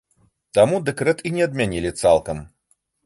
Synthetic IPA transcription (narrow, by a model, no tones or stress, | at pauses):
t̪amud̪ɛkɾɛt̪inʲɛɐd̪̚mʲanʲilʲit̪salˠkɐm